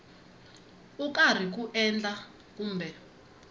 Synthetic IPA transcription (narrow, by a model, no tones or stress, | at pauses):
ukʼar̤ik̬uʔɛnd͡ɮʼa | k̬ʼuːmbɛ